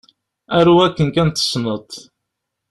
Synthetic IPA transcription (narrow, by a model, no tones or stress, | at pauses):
æɾuækːənkænt̪ːə̥snət̪ˤ